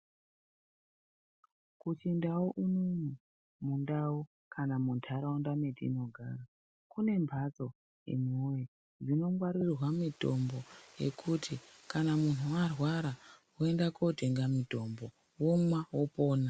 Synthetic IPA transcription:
kut͡ʃindawoʔunomu | mundawo | kʰanamuntʰaɾaondametḭno̞ɡʱaːɾa | kune̞mbʱat͡so̞ | jḛmoje | ʐino̞ŋɡwaɾirwamito̞mbo̞je̞̰kʰutʰikanamun̤uwarwaɾawoendako̞te̞ŋɡamito̞mbo̞ | wo̞mwawopo̞ːna

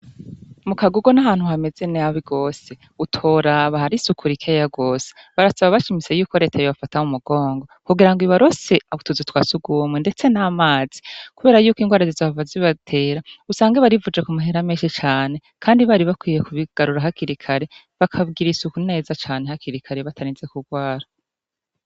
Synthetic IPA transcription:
mukaɡuɡo̞naɦaːn̥huhame̞ze̞neaβiɡo̞ːse̞ | utʰo̞ːɾaβahaɾisukʰuɾikʰejaɡo̞ːse̥ | βaɾasaβaβaʃimise̞juːko̞ɾe̞ːtʰajoβafataumuɡ̥o̞ːŋɡo̞kuɡiɾaŋɡiβaɾo̞se̞autuzutwaːsuɡuːmwende̞t͡se̞namaːz̥ikuβe̞ːɾajuːkiːŋɡwaːɾazizaavaziβatʰe̞ːɾausaːŋɡaβaɾivud͡ʒekumaɦeɾameːʃit͡ʃaːne̞ | kʰaːndiβaːɾiβakwiːje̞kuβiɡ̥aɾuɾaɦakiɾikʰaɾe̞ | βakʰaβɡiɾisukuine̞ːzat͡ʃaːne̞hakʰiɾikʰaɾe̞βatʰaɾiːnzekuɡwaːɾa

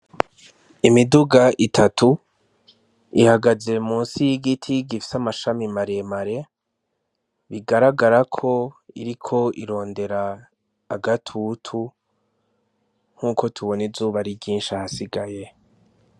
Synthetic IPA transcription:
imiduɡaʔitʰatʰu | ihaɡaze̞muːnsijiɡitʰiɡifi̥samaʃamimaɾe̞maɾe̞ | βiɡaɾaɡaɾakʰo̞ḭɾikʰo̞iɾo̞ːnde̞ɾaː | ɡatʰutʰu | ŋ̥huːko̞tʰuβo̞nizuːβaɾibɟiːnʃahasiɡaje̞

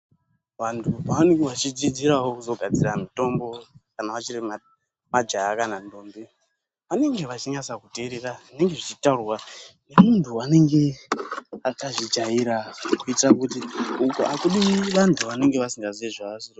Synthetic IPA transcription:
ʋantʰupaʋaneŋɡeʋat͡ʃid͡zid͡ziɾaɦo̞kuzo̞ɡʱad͡ziɾamito̞mbo̞kanaʋat͡ʃirima | mad͡ʒaakanandombi | ʋane̞ŋɡe̞ʋat͡ʃiɲasakuteɾeraʐine̞ŋɡe̞ʐit͡ʃitaurwanemuntʰuane̞ŋɡe̞ | akaʐid͡ʒajiɾakuitirakutiukuʔakuɗiʋantʰuʋane̞ŋɡeʋasiŋɡazieʐaaziro

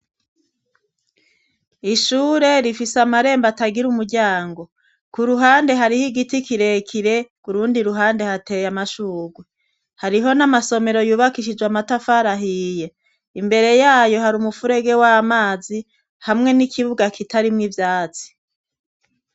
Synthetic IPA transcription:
iʃuːɾe̞ɾifisamaɾe̞ːmbataɡiɾumuɾɟaːŋɡo̞ | kuɾuɦaːnde̞ɦaɾihiɡitikiɾe̞kʰiɾe̞kuɾuːndiɾuɦaːnde̞hate̞jamaʃuːɡwe | haɾiɦo̞namaso̞me̞ɾo̞juːβakiʃid͡ʒwamatafaɾaɦiːje̞ | imbe̞ɾe̞jaːjo̞ɦaɾumufuɾe̞ɡe̞wamaːzi | hamŋe̞nikʰiβuɡakitaɾimŋivjaːt͡si̥

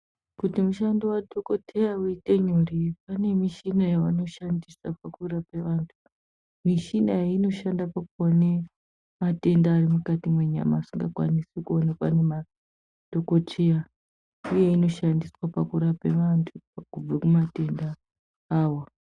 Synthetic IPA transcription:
kutimuʃandowadʱoko̞tʰejauite̞ɲuripane̞miʃinajaʋano̞ʃandisapakuɾape̞ʋaːntʰu̥ | miʃinaino̞ʃandapakuone | mate̞ndaːrimukatimwe̞ɲa̰maːsiŋɡakwa̰nisikuonapa̰nema | d̥ʱo̞ko̞tʰeja | uje̞ino̞ʃandiswapakuɾape̞ʋantʰupakub͡vakumate̞ndaː | wo

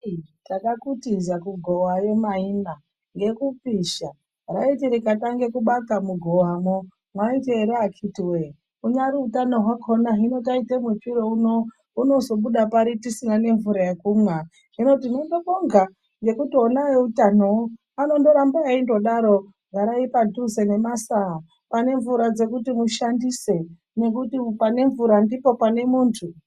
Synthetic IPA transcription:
takakutizakuɡʱowaje̞maina | ŋɡe̞kupiʃa | raitiɾikataŋɡe̞kuɓakamuɡʱowamo | mwaiteɾeakʰitiwe | uɲaɾiutanoɦwakʰonaɦino̞taitemet͡ʃiɾouno | uno̞zo̞ɓuɗapaɾitisinane̞ɱvuɾajekumwa | ɦino̞tinendokoŋɡa | ŋɡe̞kutio̞najeutanoo | ano̞ndo̞ɾambaaindo̞ɗaɾo̞ | ɡʱaɾaipaduzene̞masa | pane̞ɱvuɾad͡ze̞kutimuʃandise̞ | ne̞kutipane̞ɱvuɾandipo̞pane̞muːntʰu

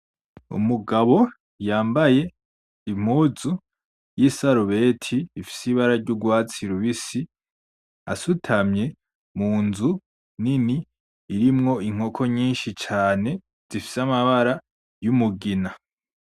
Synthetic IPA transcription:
ṵmuɡaβo̞ | jaːmbaje̞ | im̥uzu | jisaɾuβe̞ːtʰiːfi̥siβaɾaɾɟuɡwaːt͡siɾuβisi | a̰sutʰamɲe̞ | muːnzu | niniː | ɾimŋo̞iŋ̥o̞kʰo̞ɲiːnʃit͡ʃaːne̞ | z̥ifi̥samaβaɾa | jumuɡina

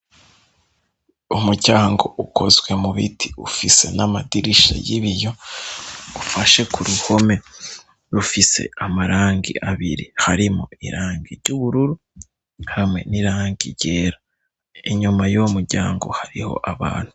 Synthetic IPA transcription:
umuɟaːŋɡo̞ʔukʰo̞zwe̞muβitʰi̥ufise̞namadiɾiʃa̰jiβijo̞ | ufaʃe̞kuɾuho̞me̞ | ɾufise̞̰amaɾaːŋɡḭʔaβḭɾihaɾimoḭɾaːŋɡiɾɟuβuɾuɾu | hamwe̞̰niɾaːŋɡiɾɟe̞ːɾa | iɲumajomuɾɟaːŋɡo̞̰haɾiho̞̰ʔaβa̰ːn̥hu̥

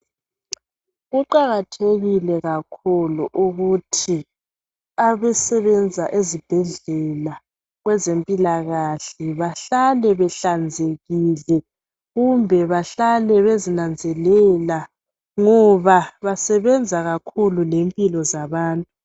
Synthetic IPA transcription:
ɣuǃaɣatʰeɣilɛɣakʰuluʔuɣutʰi | aβɛsɛβɛnd͡zʱaʔezib̥ʱɛɮɛla | ɣwɛzempʼilaɣaɬɛβaɬalɛβɛɬand͡zʱeɣilɛ | ɣumbʱɛβaɬalɛβezinand͡zʱɛlɛla | ŋɔβaβasɛβɛnd͡zʱaɣakʰululempʼilɔzaβaːntʼu

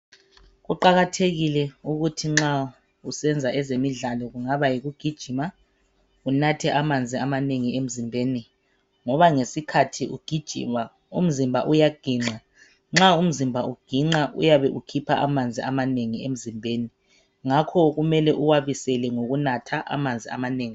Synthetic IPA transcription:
ɣuǃaɣatʰeɣilɛuɣutʰiŋ͡ǁa | usɛnd͡zʱaʔɛzemiɮalɔɣuŋaβajiɣuɡ̥ʱid̥ʒ̥ʱima | unatʰɛʔamand͡zʱiamaneŋiem̩zimbʱeni | ŋɔβaŋesikʰatʰiʔuɡ̥ʱid̥ʒ̥ʱḭma | ṵm̩zimbʱaʔujaɡ̥ʱiːŋ͡ǁa | ŋ͡ǁaum̩zimbʱauɡ̥ʱiŋ͡ǃaʔṵjaβɛʔukʰipʰaʔamand͡zʱiamaneŋiem̩zimbʱeːni | ŋakʰɔɣumɛlɛʔuwaβisɛlɛŋoɣunatʰaʔa̰mand͡zʱia̰maneːŋi

